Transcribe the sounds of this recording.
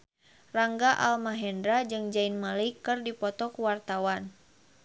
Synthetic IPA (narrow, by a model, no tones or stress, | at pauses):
raŋɡaʔa̰lmaɦɛndɾad͡ʒɨŋd͡ʒainmalikːɨrdipɔt̪ɔkuwart̪awan